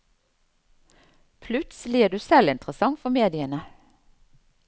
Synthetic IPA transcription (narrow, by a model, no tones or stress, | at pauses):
pʰlʉt̪səlɪeːd̪ʉːsɛlɪnt̪ʁəsɑŋfɔmeːd̪ɪənə